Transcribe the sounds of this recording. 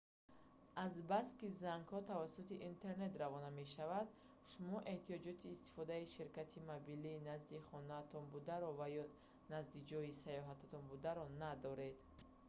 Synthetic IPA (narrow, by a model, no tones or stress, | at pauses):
azbast̪kizaŋɡhɔt̪ʰavasut̪iʔint̪ʰe̞ɾne̞t̪ravɔname̞ʃavad̪ | ʃumɔʔe̞ht̪ijɔd͡ʒɔt̪ʰiːst̪i̥fɔd̪aiʃiɾkat̪ʰimabiliːnazd̪iχɔnaːt̪ʰɔnbud̪aɾɔvajɔ | nazd̪id͡ʒɔjisajɔɦat̪ʰat̪ʰɔnbud̪aɾɔnad̪ɔɾe̞d̪